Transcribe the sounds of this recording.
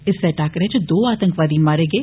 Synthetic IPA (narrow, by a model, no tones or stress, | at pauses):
ɪsɛʈaːkɾɛ̃ːt͡ʃd̪oːaːt̪ə̃ŋkʋaːd̪iːmaːɾeːɡeː